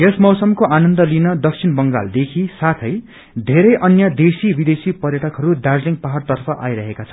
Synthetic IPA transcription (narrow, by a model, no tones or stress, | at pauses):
jesmʌwsʌmkoʔanʌnd̪ʌlinʌd̪ʌk̚t͡sʰinbʌŋɡa̰ld̪ekʰisat̪ʰʌj | d̪ʱeɾʌjʔʌnjʌd̪esibid̪esipʌrjʌʈʰʌkɦʌɾud̪ad͡zliŋpaɦart̪ʌrpʰʌʔajɾʌɦekat͡sʰʌ